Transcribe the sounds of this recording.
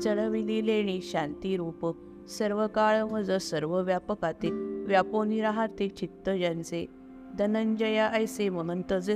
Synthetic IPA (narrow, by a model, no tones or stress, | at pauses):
t͡səɭəʋilileɽ̃iɕãnt̪iɾupək̚ | səɾʋəkaɭʋəd͡zəsəɾʋəʋjapəkat̪eʋjaponiɾaɦat̪et͡ɕit̪ːəjant͡se | d̪ənəɲd͡ʑəjaʔəjsem̤əɽ̃unt̪əd͡ze